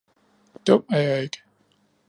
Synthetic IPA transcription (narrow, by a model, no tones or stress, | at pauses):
d̥ɔm̰æɐjɑ̈e̝ɡ̥ə